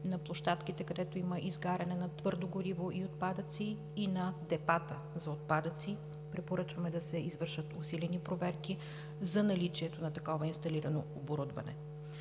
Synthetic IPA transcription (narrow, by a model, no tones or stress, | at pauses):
nɐplˠoʃt̪at̪kit̪ɛkɐd̪ɛt̪oiməʔizɡaɾɐnɛnɐt̪vɤɾd̪oɡoɾivoʔiot̪̚pad̪ət̪siː | nɐd̪ɛpat̪ə | zɐot̪̚pad̪ət̪si | pɾɛpoɾɤt͡ʃvɐmɛd̪ɐsɛizvɤɾʃvət̪ʊsilɛnipɾovɛɾki | zɐnɐlit͡ʃiɛt̪onɐt̪ɐkɔvɐinst̪ɐliɾɐnooboɾud̪vɐ̰nɛ̰